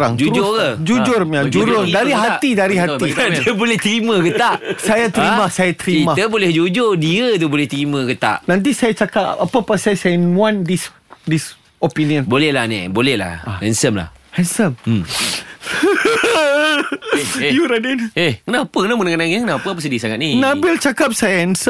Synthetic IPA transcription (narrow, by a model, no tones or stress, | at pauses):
aŋd͡ʒud͡ʒʊkəd͡ʒud͡ʒʊrmad͡ʒuɾʊrdaɾiɦat̪idaɾiɦat̪idiəbolɛht̪ɾiməkət̪aʔsajat̪ɾimasajat̪ɾiimaht̪əbolɛhd͡ʒud͡ʒʊrdiət̪ubolɛht̪ɾiməkət̪a̰ʔnãnt̪̬isajat͡ʃakapa̰papəpasajasajnũandis | dis | opiniənbolɛhlanɛ̰bolɛhla̰hɛnsəmla̰hhɛnsəmm | juɾadənehkənaapəkənamənəŋanaŋikənãapəap̬əs̬ədiəsaŋat̪̚ninãbɪlt͡ʃakap̚sajaɛnsə